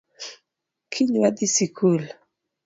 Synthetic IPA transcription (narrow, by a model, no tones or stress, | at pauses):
kʰiɲwad̪isikʰul